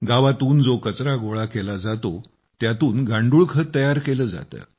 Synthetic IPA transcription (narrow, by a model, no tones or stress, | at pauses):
ɡaʋat̪uːnd͡zokət͡sɾaɡoɭakelad͡zat̪o | t̪jat̪uːnɡʱãɳɖuːɭkʰət̪ːəjaɾkeləːd͡za̰t̪ə̰ː